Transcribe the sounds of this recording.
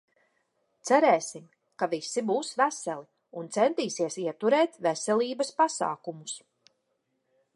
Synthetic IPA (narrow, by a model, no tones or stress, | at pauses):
t̪sæɾɛːsim | kavisːibuːsvæsɛlˠi | unt̪sɛnt̪iːsiɛsiɛt̪uɾɛːt̪vɛsɛlʲˠiːbɐspasa̰ːkumus